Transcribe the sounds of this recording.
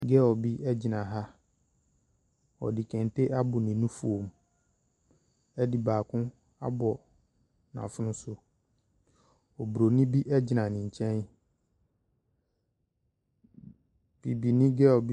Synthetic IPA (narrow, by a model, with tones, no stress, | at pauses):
ɡɛ˦ɔ˨bi˦ʔɛ˦d͡ʑɪ˨nã˨ɦa˦ | ɔ̰˨dɪ˨kʰɛ̃˨n˨te˦ʔa˦bʊ˨nɪ̃˨nũ˦fu˦˨o˨m˨ | ɛ˦dɪ˨baː˨kʰʊ̃˦ | a̰˦bɔ˨ | nã̰˨fʊ˦nʊ̃˦sʊ˦ | ɔ˨bu˨ɾo˨nɪ̃˦bi˦ʔɛ˦d͡ʑɪ˨nã˨nɪ̃˨ɲ̩˨t͡ɕʰɛ̃˦n | b̥i˨bi˨nɪ̃˦ɡɛ˦ɔ˨bi˦